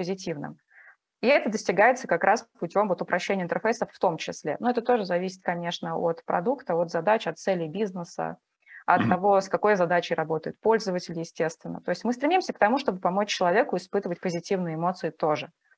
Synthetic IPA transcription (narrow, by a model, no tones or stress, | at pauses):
pəzʲɪtʲivnɨ̰m | iɛt̪əd̪əsʲtʲɪɡajɪt̪səkɐkɾʔaspʊtʲo̞mvo̞t̪ʊpɾʔɐɕːenʲɪəɪnt̪ʲərfejsəfːt̪o̞mt͡ɕɪsʲlʲḛnuɛt̪ət̪o̞ʐɨzɐvʲisʲɪ̥t̪̚kɐnʲe̞ʂnəot̪pɾɐ̰d̪ukt̪əot̪zɐd̪at͡ɕɐt̪sɛlʲɪbʲiznəsə̰ | ɐtt̪ːɐvo̞skɐko̞jzɐd̪at͡ɕɪjɾɐbo̞t̪əjʊt̪̚po̞lʲzəvətʲɪlʲɪjɪsʲtʲe̞st̪vʲɪnːə̰t̪o̞ɪsʲtʲmɨst̪ɾʲɪmʲimsʲək̚t̪ɐmuʂt̪o̞bɨpɐmot͡ɕt͡ɕːɪlˠɐvʲe̞kʊɪspɨt̪əvət̚ʲpəzʲɪtʲivnɨjɪmo̞t̪sɨɪt̪o̞ʐɨ